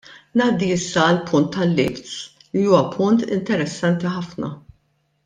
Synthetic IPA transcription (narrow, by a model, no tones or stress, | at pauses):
nɐːd̪iɪsːɐːlpʰʊnt̪ːɐlːɪfs | liuːwɐpʰʊnt̪ɪ̰nt̪ɛɾɛsːɐnt̪iħɐfnɐ̰